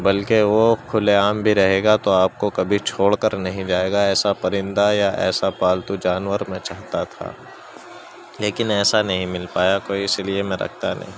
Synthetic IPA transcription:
bɐlkeʋokʰʊleaːmbʱiɾɐɦeːɡat̪oaːp̚kokɐbʱit͡ʃʰoːɽkəɾnɐɦĩd͡ʒaːeːɡaɛːsapɐɾɪ̃nd̪ajaɛ̰ːsapaːlt̪ud͡ʒaːnʋəɾmẽt͡ʃaːɦt̪at̪ʰa̰ː | leːkɪnɛːsanɐɦĩmɪlpaːjakoːiɪsiliemɛ̃ɾʔɐ̰kʰt̪anɐ̰ɦĩː

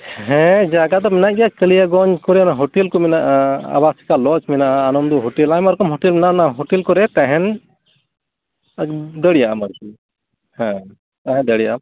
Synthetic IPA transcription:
ɦɛ̃d͡ʒaɡad̪ɔmɛnaʔɡɛjakəlijaɡɔɲkɔɾɛnaɦɔʈɛlkɔminaʔaa̰basi̥kalɔt͡ʃminaʔaːnɔmd̪ɔɦɔʈɛlajmɔɾkɔmɦɔʈɛlmɛnaʔnaɦɔʈɛlkɔɾɛt̪aɦɛn | d̪əɽijaʔamaɾki | hɛ̃ | t̪aɦɛ̃d̪əɽijaʔam

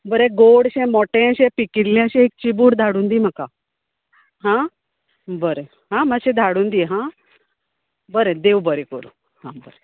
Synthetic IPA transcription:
bəɾẽɡoɽɕɛ̃mɔʈẽɕẽpikiɾljãɕẽek̚t͡ɕibuːɽd̪ʱaɽuːnd̪iːm̤aka | ɦã | bəɾe | ɦãmaɕẽd̪ʱaɽuːnd̪iɦã | bəɾẽd̪eʋbəɾẽkəɾṵ̃ | hãbəɾe

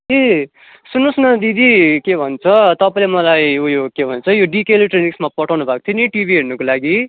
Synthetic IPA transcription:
e | sunːosnʌd̪id̪ikebʱʌnt͡sʰʌt̪ʌpaĩlemʌlajujokebʱʌnt͡sʰʌjoɖikelʈreniksmapʌʈʰawnubʱakot̪ʰjiniʈibʱiɦernʌkolaɡi

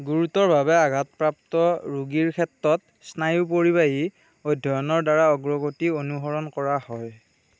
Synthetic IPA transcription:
ɡuɹutɔɹbʱabɛaɡʱatpɹap̚tɔɹuɡiɹkʰɛtɹɔt̚ | snajup̬oɹibaji | ojdʱːɔjɔnɔɹdaɹaɔɡɹɔɡotionuɦɔɹɔnkɔɹahɔj

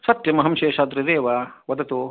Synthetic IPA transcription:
sɐt̪jɐmɐɦɐmʃeːʃad̪ɾiɾeːʋɐʋɐd̪ɐt̪u

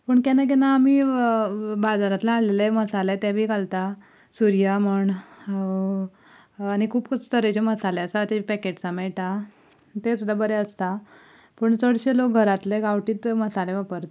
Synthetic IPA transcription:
pəːɳkanak̬ɛnaːmiː | bad͡zaɾat̪laaɽleleməsalet̪ɛbʱiːɡalt̪a | suɾijaməɳ | aɽ̃ikʰuːpkəst̪əɾet͡ɕeməsaleəsat̪epɛkeʈsamɛɭʈa | t̪esud̪abəɾɛəst̪a | pəɳt͡səɽɕelok̚ɡʱəɾat̪leɡaʋʈiːt̪məsaleʋapəɾt̪

